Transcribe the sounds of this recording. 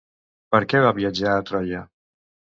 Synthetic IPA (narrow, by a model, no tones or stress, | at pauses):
pəɾkɛβaβiəd͡ʒaːt̪ɾɔjə